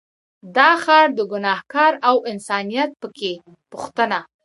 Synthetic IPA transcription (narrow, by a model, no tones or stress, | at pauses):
d̪ɑxɑɾd̪əɡʊnɑhkɑɾawɪnsɑnijat̪̚pəke | puxt̪əna